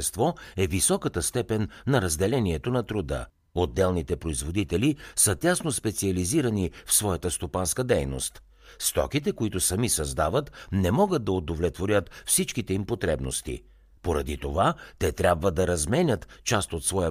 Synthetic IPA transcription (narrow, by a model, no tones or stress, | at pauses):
ɛst̪vɔɛvisɔkət̪əst̪ɛpɛnːɐɾɐzd̪ɛlɛniɛt̪onɐt̪ɾod̪ə̰ | od̪ːɛlˠnit̪ɛpɾoizvod̪it̪ɛlisət̪ʲasnospɛt̪siɐliziɾɐnifsvɔjɐt̪əst̪opanskəd̪ɛjno̰st̪ | st̪ɔ̰kit̪ɛkoit̪ʊsɐmisɐzd̪avət̪nɛmɔɡət̪̚d̪ɐod̪ovlɛt̪voɾʲət̪fsit͡ʃkit̪ɛimpot̪ɾɛbnost̪ḭ | poɾɐ̰d̪it̪ovat̪ɛt̪ɾʲabvəd̪ɐɾɐzmɛnʲət̪t͡ʃast̪ot̪svɔjə